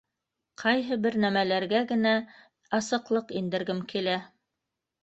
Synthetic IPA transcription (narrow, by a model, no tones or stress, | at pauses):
qʰɑjɦɤbɘɾnæmælæɾɡæɡɘ̆næ | ɑsɤ̆qlˠɤqind̪ɘ̆ɾɡɘmkʰilæ